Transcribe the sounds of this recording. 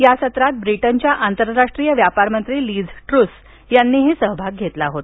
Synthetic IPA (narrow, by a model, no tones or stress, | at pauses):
jasət̪ɾat̪̚bɾiʈənt͡ɕjaʔant̪əɾɾaʂʈɾijəʋjapaɾmənt̪ɾiːliːd͡zʈɾus | janːiːɦesəɦbʱaɡ̚ɡʱet̪laɦot̪